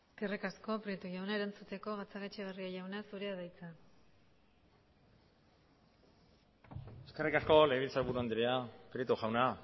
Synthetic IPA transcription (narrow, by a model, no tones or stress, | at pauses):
kerikasko̞pɾit̪uʝawnaeɾant͡sut̪e̞ko̞ɣat͡saɣet͡ʃeβ̞eriaʝawnasuɾeaðajt͡sa | e̞skerikasko̞leβilt͡saɾβuɾuand̪iɾe̞apɾit̪uʝawna